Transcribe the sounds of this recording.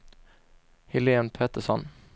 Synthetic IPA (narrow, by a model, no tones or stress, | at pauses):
hɪleːənpʰeːt̪əsɔn